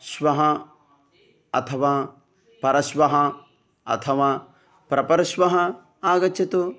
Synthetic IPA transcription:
ʃʋɐɦɐ | ɐ̰t̪ʰɐʋaː | pɐɾɐʃʋɐɦɐ | ɐ̰t̪ʰɐʋaː | pɾɐpɐɾɐʃʋɐɦɐ | aːɡɐt͡ʃɐt̪u

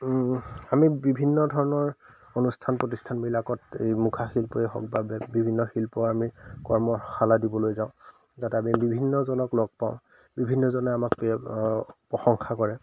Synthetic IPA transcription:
amibibʱinːɔdʱɔɹɔnɔɹ | onustʰanpɹot̬istʰanbilakɔtḛjmukʰaxilpɔɛɦɔk̚babɛbibʱinːɔxilpɔamikɔɹmɔxaladibɔlojzaʊ̃ | zatɛamibibʱinːɔzɔnɔklɔɡ̚paʊ̃ | bibʱinːɔzɔnɛamakp | pɔxɔŋxakɔɹɛ

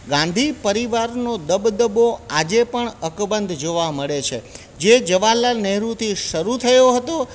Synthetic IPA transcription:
ɡãnd̪ʱipəɾiʋaɾnod̪əbd̪əboad͡ʒepəɳəkbənd̪ʱd͡ʒoʋaməɭet͡ʃʰḛ | d͡ʒed͡ʒəʋalanɛɦɾut̪ʰiʃəɾut̪ʰəjoɦət̪o

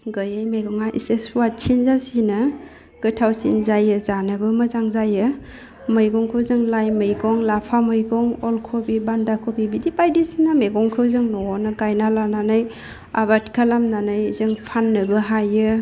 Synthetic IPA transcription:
ɡɯjɯjmeɡɔŋaʔḭseswat̚t͡ʃʰinzasinɯ | ɡ̥ɯtʰawsḭnzajɯzanɯbɯmɐzaŋzajɯ | mɯjɡɔŋkʰɯwzɯŋlajmɯjɡɔŋlapʰamɯjɡɔŋɔlkʰobibandakʰobibidipajdisinameɡɔŋkʰɯwzɯŋnɔnɯɡajnalananɯj | a̰batkʰalamnanɯjzɯŋpʰanːɯbɯɦajɯ

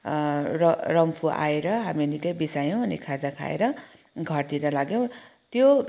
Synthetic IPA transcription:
rʌrʌmpʰuʔa̰eɾʌɦaminikʌjbisajow̃ʌnikʰad͡zakʰa̰ḛɾʌ | ɡʱʌrt̪iɾʌlaɡjow̃ | t̪jo

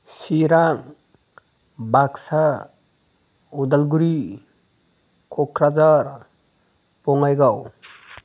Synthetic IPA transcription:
siɾaŋ | baksa | ud̪alɡuɾi | kʰɔkʰɾad͡ʒaɾ | pɔŋajɡaw

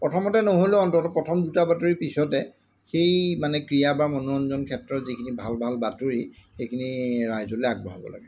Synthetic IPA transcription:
pɹɔtʰɔmɔtɛnoɦoloɔntɔtɔpɹɔtʰɔmdutabatoɹipisɔtɛ | xejmanɛkɹijabamɔnuɔnzɔnkʰɛtɹɔtzikʰinibʱalbʱalbatoɹixejkʰiniɹajzɔleaɡ̚bɔɦɔbɔ̰la̰ɡɛ

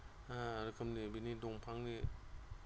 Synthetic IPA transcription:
aɾɯkʰɐmnibinidɔŋpʰaŋni

